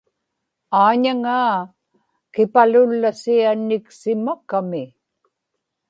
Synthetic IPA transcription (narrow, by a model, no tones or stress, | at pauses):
aːɲaŋaː | kɪpalʊlːasianːɪksɪmakamɪ